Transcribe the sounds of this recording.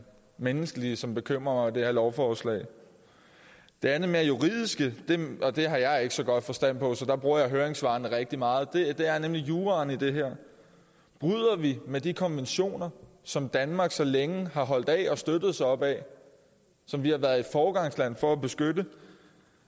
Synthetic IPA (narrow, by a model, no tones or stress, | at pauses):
menəsɡ̥əliəsɒ̽mb̥e̝kʰøm̰ʁɐmɑ̈ɪd̥e̝hæɐlɒʊfɒːslɛ̰ɪ | d̥e̝ænð̩ˠme̝ːɐjuʁið̞̰ˠisɡ̥əd̥e̝ʔɒ̽d̥e̝ɦɑ̈jɑ̈ɪe̝ɡ̥əsɒ̽ɡ̥ɒ̽d̥fɒ̽sd̥æn̰pʰɒ̽sɒ̽d̥ɑ̈b̥ʁuɐjɑ̈ɪɦøːɐeŋsʋɑ̈ːnəʁeɡ̥̚d̥imɑ̈ːð̩ˠd̥e̝d̥e̝æɐnemlijuːʁɑnid̥e̝ɦeɐ̰ | b̥ʁyð̰ˠɐʋimed̥ikʰɒ̽nʋenɕo̝̰ːnɐ | sɒ̽md̥ænmɑ̈ːɡ̥sɒ̽leŋəɦɑ̈ɦɒ̽l̰d̥ɛ̰ːɒ̽sd̥ød̥ð̩ˠsɑɪɒ̽b̥ɛ̰ | sɒ̽mʋihɑ̈ʋæɐðˠifɒːɡ̥ɑ̈ŋslæn̰fɒ̽æb̥e̝sɡ̥ødə